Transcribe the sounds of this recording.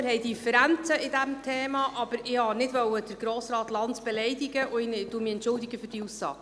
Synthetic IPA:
əɾɦɛjdifəɾænt͡səɪdæmt̪ʰeːmɑʔɑb̥əɾɪhɑnɪdvœwəd̥əɾɡɾoːsɾɑːt̪lɑntb̥ɛlɛjdɪɡəʔʊɪnd̥umiɛntt͡ʃʊldiɡəfʏrd̥iusːɑ̰ːɡ̥

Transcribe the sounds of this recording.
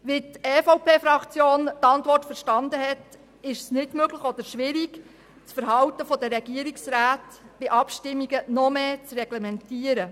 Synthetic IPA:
ʋitɛfowpeːfɾɑkt͡sjoːntɑnt̪ʋɔrtfəɾʃtɑnd̪əɦɛt | ɪʃsnɪdmøɡləχɔd̥̪əɾʃʋɪɾiɡ | t͡sfəɾɦɑwt̪əfɔd̪əɾɛɡiəɾiksɾaːtb̥ɪʔɑpʃtɪmːiɡənɔmeːt͡srɛɡ̥lɛmɛntiəɾə

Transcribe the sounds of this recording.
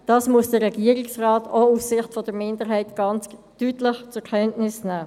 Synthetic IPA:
d̥ɑːsmuəsd̥əɾʁɛɡ̥iːəʁɪksʁɑːtʰoufsɪχtfɔd̥əmɪndəɾɦɛɪtɡ̥ɑnt͡s | tyːtlɪχt͡sʊkʰɛntnɪsnæː

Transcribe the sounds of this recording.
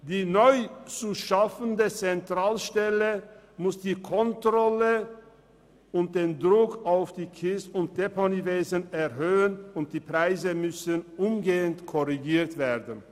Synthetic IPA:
d̥iːnɔʏt͡suʃafəndət͡sɛntʁ̥aːlʃtɛlə | mʊsd̥iːkʰɔntʁɔlə | ʊnt̚d̥eːndʁʊkaʊfd̥iːkʰɪstʊnt̚d̥eponiveːzənɛɐɦøːənʊnt̚d̥iːpʁ̥aɪzəmʏsənʔʊmɡeːəntkʰɔʁiɡiːɐtv̥eːdən

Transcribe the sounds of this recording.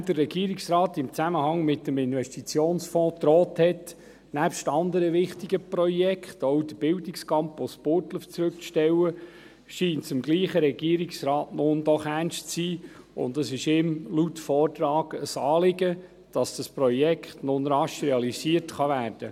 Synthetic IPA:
d̥ərːɛɡiːɾɪksɾɑːtɪmt͡sæməhɑŋmɪtːəmɪnvɛstit͡sjoːnsfɔ̃ːt̪ɾɔːthɛt | næpʃtɑnd̪əɾəʋɪχtiɡ̥əprɔjɛkχtɔʊd̥əb̥ɪldɪkskʰɑmpospʊɾtləft͡sɾʉk̚t͡sʃtɛwə | ʃiːntsɪmɡliːχəɾɛɡ̥iːɾiksɾɑːtnʊndɔχænʃtt͡siː | ʊ̰nd̪əsɪʃɪmlutfɔːrtɾɑːɡəsɑːlɪɡə | d̥ɑsd̥ɑspɾɔjɛkχtnʊnɾɑʃɾɛɑlisiətχɑvæːɾd̥ə

